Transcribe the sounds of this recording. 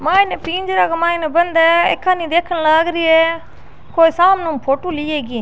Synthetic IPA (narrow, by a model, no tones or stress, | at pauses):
mãːineːpĩːɲd͡ʒɾaːkmãːĩnebənd̪ɛːḛkʰːaːnĩd̪eːkʰənlaːɡɾiːɦɛː | koːisaːmnũpʰoːʈuːliːeːɡiː